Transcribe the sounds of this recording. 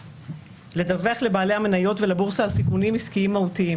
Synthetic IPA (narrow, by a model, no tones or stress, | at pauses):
le̞daveaχle̞baːle̞hame̞najo̞tvelabuʁsaːlsikunimiskiimːahutii